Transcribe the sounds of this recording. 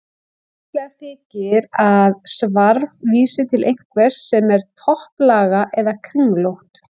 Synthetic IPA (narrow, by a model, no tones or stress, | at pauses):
caðθɪcɪɾaðsvaɾvviːsɪt̪ʰɪlʔejŋ̥kvɛssɛmɛɾ̥t̪ʰɔhplaːɣaʔɛðakʰɾiŋlowht̪